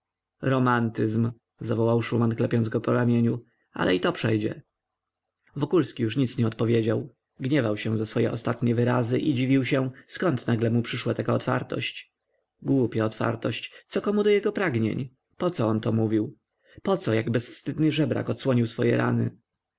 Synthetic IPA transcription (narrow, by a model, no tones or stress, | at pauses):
ɾɔmant̪ɘzm | zavɔwawʂumanklɛpʲjɔnd̪zɡɔpɔɾamʲjeɲu | a̰lʔɛ̰it̪ɔpʂɛjd͡ʑɛ̰ | vɔkulskʲijuʂɲit̪sɲɛɔt̪̚pɔvʲjed͡ʑaw | ɡɲɛvawɕɛ̃zasfɔjɛ̰ʔɔst̪at̪ɲɛvɘɾazɘʔid͡ʑivʲiwɕɛ̃skɔnt̪naɡlɛmupʂɘʂwat̪akaɔt̪fa̰ɾt̪ɔ̰ɕt͡ɕ | ɡwupʲjaɔt̪fa̰ɾt̪ɔɕt͡ɕt̪sɔkɔmud̪ɔjɛɡɔpɾaɡɲḛɲ | pɔt̪sɔɔnt̪ɔmuvʲiw | pɔt̪sɔjaɡbɛsfst̪ɘd̪nɘʐɛbɾa̰kɔt̪swɔɲiwsfɔjɛ̰ɾa̰nɘ̰